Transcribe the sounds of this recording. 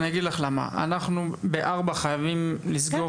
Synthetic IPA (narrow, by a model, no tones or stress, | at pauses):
naɡid̪laχlama̰a̰naχnubeʔaʁbaχajavimlisɡo̞